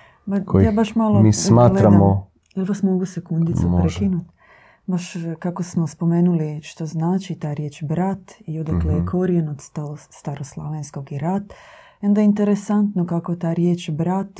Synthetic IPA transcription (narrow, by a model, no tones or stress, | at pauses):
bajaːbaʃmalomismaːɡlɾammo | jiliʋasmo̞ɡusekund̪it̪supɾekinut̪ | baʃkakosmospo̞meːnuliʃt̪oznaːt͡ʃit̪aːɾjeːt͡ʃbɾat̪iod̪aklejekʰoɾijenot̪st̪ost̪aɾoslˠa̰ʋensko̞ɡiɾat̪eond̪aint̪e̞ɾesant̪nokako̞t̪aːɾjeːt͡ʃbɾat̪